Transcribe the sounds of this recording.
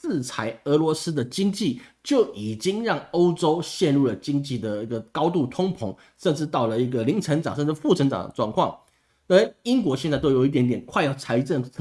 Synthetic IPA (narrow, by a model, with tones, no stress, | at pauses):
t͡sɹ̩˥˩t͡sʰa˧˥ɪɤ˧˥lwɔ˧˥sɹ̩˥d̪ə˨t͡ɕi˥ŋt͡ɕi˥˨t͡ɕjo˥˩ʊʔi˨˩t͡ɕi˥ŋɻɑ˥˩ŋo˥ʊʈ͡ʂo˥ʊɕjɛ˥˧nɻu˥˩lə˩t͡ɕi˥ŋt͡ɕi˥˩d̪ə˩i˧˥ɡə˨kɑ˥ʊt̪u˥˩t̪ʰʊ˥ŋpʰʊ˧˥˦ŋ | ʂə˥˧nʈ͡ʂɻ̩˥˧t̪ɑ˥˩ʊlə˩i˧˥ɡə˨li˧˥ŋʈ͡ʂʰə˧˥ŋʈ͡ʂɑ˨˩ŋʂə˥˧nʈ͡ʂ̩˥˧˩fu˥˩ʈ͡ʂʰə˧˥ŋʈ͡ʂɑ̰˨˩ŋd̪ə̰˦ʈ͡ʂwɑ̰˥˧ŋkʰwɑ˥˩ŋ | ə˥i˥ŋk̬wɔ˧˥ɕjɛ˥˧nt͡sa˥˧ɪt̪o˥ʊjo˨˩ʊi˥t̪̬jnt̪jɛ˨˩nkʰwa˥˧ɪjɑ˥˩ʊt͡sʰa˧˥ɪʈ͡ʂə˥˩ŋʰ